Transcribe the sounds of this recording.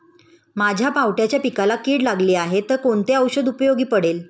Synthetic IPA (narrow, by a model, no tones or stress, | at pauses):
mad͡ʑʱjapawʈjat͡ɕjapikalakiːɽlaɡliːaɦet̪əɾkoɳt̪eəwɕəd̪upəjoɡiːpəɽel